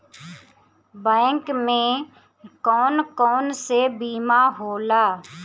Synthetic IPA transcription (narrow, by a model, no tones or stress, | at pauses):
bɛ̃ːkmẽ | kɔːnkɔːnsebiːmaɦoːlaː